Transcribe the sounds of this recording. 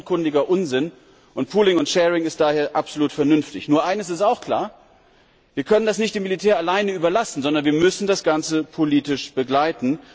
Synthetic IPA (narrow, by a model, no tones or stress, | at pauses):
kʰʊndɪɡɐʔʊnzɪn | ʔʊntpʰuːlɪŋʊntʃɛːʁɪŋɪst̚d̥aːheːɐʔapz̥oluːtfɛɐnʏnftɪçnuːɐʔaɪnəs̬ɪstaʊxkl̥a̰ːɐ | viːɐkʰœnəndasnɪçtd̥eːmːilitʰeːɐalaɪnəyːbɐlasn̩zɔndɐnviːɐmʏsn̩dasɡ̥ant͡səpʰoliːtɪʃb̥əɡlaɪtn̩